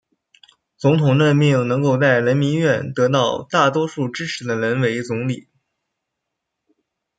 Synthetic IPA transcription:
t͡sʊ˧˥ŋt̪ʰʊ˨˩ŋnə˥˧nmi˥˩ŋnɤ˧˥ŋko˥˧ʊt͡sa˥˩ɪɻə˧˥nmi˧˥nɥɛ˥˩nt̪ɤ˧˥t̪ɑ˥˩ʊt̪a˥˩t̪wɔ˥ʂu˥˩ʈ͡ʂɻ̩˥ʈ͡ʂʰɻ̩˧˥d̪ə˧ɻə˧˥nwe˧˥ɪt͡sʊ˧˥ŋli˨˩˦

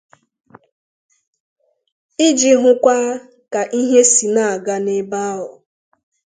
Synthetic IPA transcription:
ɪ˦d͡ʒi˨ɦʊ˦kʷa˦ | ka˨ʔi˦ɦe˦si˨na˦˨a˨ɡa˦ne˦ba˦a˦ɦʊ˨

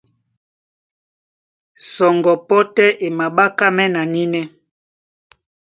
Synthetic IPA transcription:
sɔ˨ŋɡɔ˨pɔ˦tɛ˦ʔe˨ma˨ɓa˦ka˦mɛ˦na˨ni˦nɛ˦

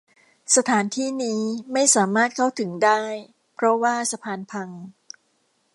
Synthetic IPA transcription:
sa˧t̪ʰaː˩˦nt̪ʰiː˥˩niː˦˥ma˥˩jsaː˩˦maː˥˩t̪̚kʰa˥˩wt̪ʰɯ˩˦ŋdaː˥˩j | pʰɾɔ˦˥waː˥˩sa˧pʰaː˧npʰa˧ŋ

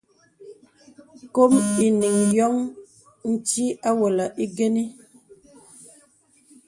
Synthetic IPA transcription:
ko˦mi˨ni˨ŋjɔ˦ŋ | n̩˦t͡ʃi˦a˦wə˨lə˨ʔi˦ɡe˦ni˦

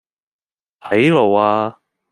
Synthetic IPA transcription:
t̪ʰɐ˨˥jlo˨˩waː˧

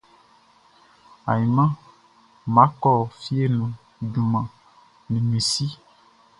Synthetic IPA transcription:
a˨ji˨mã˦ | mã˨˦kɔ˦˨fi˦e˦nũ˨ | ɖu˨mã˨ | nẽ˨mẽ˨si˦

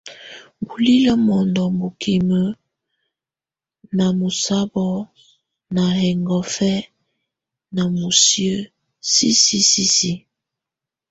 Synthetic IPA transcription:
bu˨li˦lə˦mɔ˨ndɔ˨mbo˨kʰi˨mə˦ | na˨mo˨sa˦bɔ˦ | na˨hɛ˨ŋɡɔ˨fɛ˦ | na˨mo˨sjə˦ | si˦si˦si˦si˦

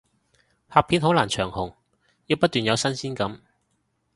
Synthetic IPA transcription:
haː˨˧pʰi˨˥nɦo˨˥wlaː˨˩nt͡ʃʰœː˨˩ŋhʊ˨˩ŋ | jiː˧wpɐ˥t̚t̪yː˨˩njɐ˨˧wsɐ˥nsiː˥nkɐ˨˥m

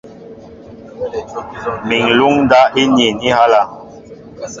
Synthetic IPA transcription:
mi˨ŋlu˦ŋ˦da˦ʔi˦ni˨ni˦ha˦la˦

